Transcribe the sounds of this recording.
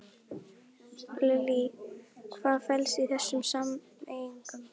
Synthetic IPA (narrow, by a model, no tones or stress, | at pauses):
lɛlikʰvaːðfɛlsiθɛsːʏmsam | ejiŋkʏm